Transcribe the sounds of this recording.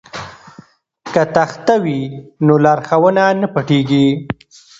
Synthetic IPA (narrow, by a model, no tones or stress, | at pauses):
kat̪axt̪awinolaɾxawənanapaʈeɡi